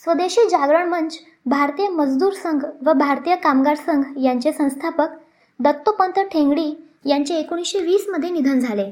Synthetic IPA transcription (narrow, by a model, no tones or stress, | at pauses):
sʋəd̪eɕiːd͡ʑaɡɾəɳmənd͡ʑ | bʱaɾt̪ijəməd͡zd̪uːɾsəŋɡʱʋəbʱaɾt̪ijəkamɡaɾsəŋɡʱjaɲt͡ɕesə̃w̃st̪ʰapək | d̪ət̪ːopənt̪əʈʰẽŋɡɽiː | jaɲt͡ɕeːkoɽ̃isɕeʋiːsməd̪ʱːjenid̪ʱənd͡zʱale